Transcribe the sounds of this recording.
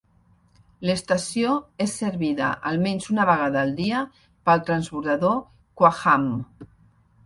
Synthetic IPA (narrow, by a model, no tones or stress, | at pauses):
ləst̪ɐsjoesːeɾβiðə̰ʔalˠmɛnzunaβəɣaðaːlˠd̪iə | pəlˠt̪ɾanspuɾðaðo | kwaxam